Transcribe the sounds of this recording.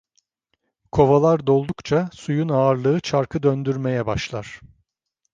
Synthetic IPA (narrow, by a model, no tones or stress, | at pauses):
kʰo̞valˠaɾd̪o̞lˠd̪ukt͡ʃʰasujunaːɾlˠɯɯt͡ʃʰaɾkʰɯd̪ønd̪yɾme̞jɛbaʃlˠaɾ̝̥